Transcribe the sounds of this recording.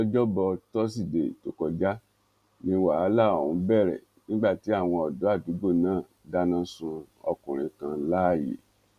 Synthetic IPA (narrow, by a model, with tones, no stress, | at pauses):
ɔ˦d͡ʒɔ˦bɔ˧tɔ˦s̬i˦˨de˨to˨˦kɔ˧d͡ʒa˦ | nĩ˧˦wa˨˦la˦˨o˨hũ˨˦bɛ˦˨ɾɛ̰˨ | nĩ˦ɡ͡ba˦˨ti˨˦a˦˨w̃ɔ̃˧ɔ˨do˨˦a˦˨du˨˦ɡ͡bo˦˨nãː˦˨ | da˦nã˦sũ˧ | ɔ̰˧kũ˨ɾ̃ĩ˨˧kã˧la˦a˦˨jḛ˨